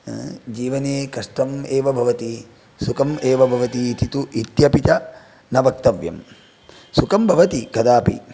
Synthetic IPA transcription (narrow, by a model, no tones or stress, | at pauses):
d͡ʒiːʋɐneːkɐʂʈɐmeːʋɐbʱɐʋɐt̪i | sukɐmeːʋɐbʱɐʋɐt̪iːt̪ʰit̪uʔit̪jɐpit̪ɐ | nɐbɐk̚t̪ɐʋjɐ̰m | sukɐmbʱɐʋɐt̪ikɐd̪aːpḭ